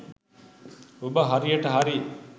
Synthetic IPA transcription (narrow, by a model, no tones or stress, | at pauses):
ubɐɦɐɾijɐʈɐɦɐɾi